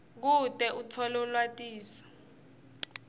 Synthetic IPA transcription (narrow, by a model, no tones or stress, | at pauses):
k̬utʼɛʔut͡sʰɔlɔlwatʼiːsɔ̥